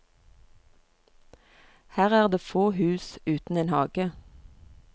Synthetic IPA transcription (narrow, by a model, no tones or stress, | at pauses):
hæːʁæːʁd̪eːfoːhʉːsʉːt̪n̩eːnhɑːɡ̥ə